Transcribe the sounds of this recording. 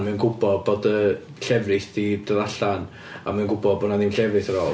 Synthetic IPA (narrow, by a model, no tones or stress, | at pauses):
mɛnɡʊbɔd̚boːdə | ɬɛvrɪθdid̥əðaɬan | a̰mɛnŋɡʊbɔdbonaðinɬɛvrɨθəɾoː